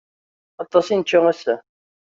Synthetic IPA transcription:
ɑt̪ˤːɑsinət͡ʃːʊæsæ

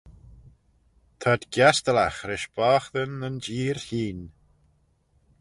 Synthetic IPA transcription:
t̪ʰad̪ɡjast̪əlaxɾɪʃb̥aːxðənənd͡ʒiːɾhiːn

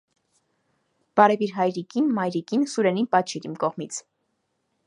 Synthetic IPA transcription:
b̥ɑɾɛviɾɦɑjɾikinmɑjɾikinsuɾɛninpɑt͡ʃʰiɾimkɔʁmit͡sʰ

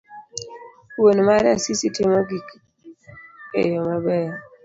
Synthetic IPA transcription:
wonmaɾasisitimɔɡik | ḛjɔmabɛ

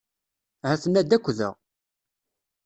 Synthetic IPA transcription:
hæθənːæd̪ækʷːðə̰ʁ

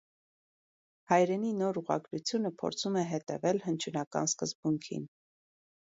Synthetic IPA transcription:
hɑjɾɛninɔɾuʁɑ̰ɡɾut͡sʰjunəpʰɔ̰ɾt͡sʰumɛɦɛt̪ɛ̰vɛlhənt͡ʃʰunɑkɑ̰nskəzbuŋkʰḭn

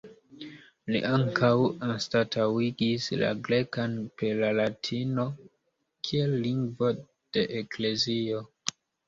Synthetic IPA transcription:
lḭʔaŋkʰawanstatʰawiɡisla̰ɡɾe̞kanpelalatʰino̞ | kʰielːiŋɡvo̞ | d̥e̞ʔekle̞zio

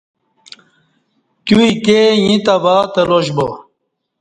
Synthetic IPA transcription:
t̪uikejĩt̪ɐvaːt̪ɐloɕbo

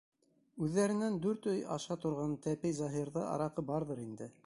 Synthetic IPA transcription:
ʉðːæɾɘ̆nænd̪ʉɾt̪ɵjɑ̰ʃɑt̪ŏɾʁɑnt̪æpɘjzɑɦiɾðɑʔɑ̰ɾɑqɤbɑɾðɤɾind̪ɘ

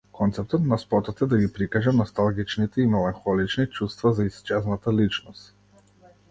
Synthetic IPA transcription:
kʰɔnt̪sɛp̚t̪ɔt̪naspɔt̪ɔt̪ɛd̪aɡipɾikaʒɛmnɔst̪alˠɡit͡ʃnit̪ɛimɛlˠanxɔlit͡ʃnit͡ʃust̪vazaist͡ʃɛznat̪alit͡ʃnɔst̪

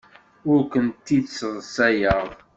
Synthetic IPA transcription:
ʊɾkʷənt̪ːidsːəðˤsæjəʁˤ

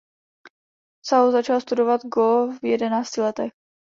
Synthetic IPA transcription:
saozat͡ʃalst̪udovad̪ɡovjɛdɛnaːt͡scɪlɛt̪ɛx

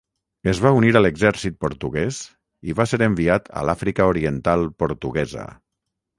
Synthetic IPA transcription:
əzβauniɾələɡzɛɾsit̪̚poɾt̪uɣɛs | iβaseɾəmbiat̪ʰə̰lafɾikəoɾiənt̪alˠpoɾt̪uɣɛzə̰

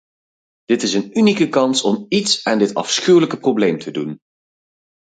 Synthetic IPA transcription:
d̥ɪtɪsənynikəkɑnsɔmitsaːndɪtɑ̰fsχywləkəprowblejmtʰədun

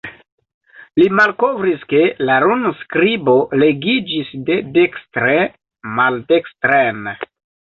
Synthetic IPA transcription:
limalkovɾiske̞laɾunskɾibo̞le̞ɡid͡ʒisdedekstɾe | maldekstɾen

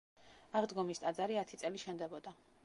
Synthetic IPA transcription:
aʁd̪ɡɔmist̪ʼad̪zaɾiat̪ʰit̪sʼɛliʃɛnd̪ɛbɔd̪a

